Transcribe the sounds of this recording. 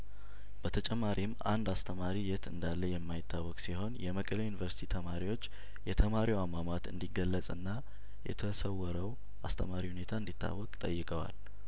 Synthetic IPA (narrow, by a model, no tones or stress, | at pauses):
b̥ət̪ʰət͡ʃʼɛmːaɾʔima̰nd̪ast̪ʰəmaɾijɛt̪ʰɨnd̪alːəjɛmːajɪt̪ʰːawːɔkʼsiho̞njɛməkʼəlejunivəɾsit̪ʰit̪ʰəmaɾiwo̞t͡ʃː | jɛt̪ʰəmaɾiwamamat̪ɨ̰nd̪iɡəlːəsʼɨnːa | jɛ̰t̪ʰəsəwəɾəw | ʔa̰st̪ʰəmaɾihune̞t̪ʰaɨnd̪it̪ʰːa̰wːɔkʼt̪ʼəjːɨkʼəwa̰l